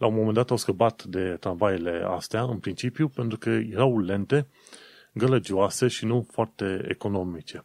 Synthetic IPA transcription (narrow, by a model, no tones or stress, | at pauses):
lʔaunmomend̪at̪awskəbat̪d̪e̞t̪ɾanvajele̞a̰st̪eaɨnpɾint͡ʃipjupe̞nt̪ɾukəjeɾawle̞nt̪e̞ | ɡələd͡ʒioase̞ʃinufoart̪e̞ḛko̞no̞mit͡ʃe̞